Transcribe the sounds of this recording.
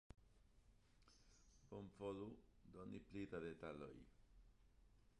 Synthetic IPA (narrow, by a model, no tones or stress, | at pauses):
pɔmfɔlud̪ɔniplit̪ad̪et̪alɔ̰ḭ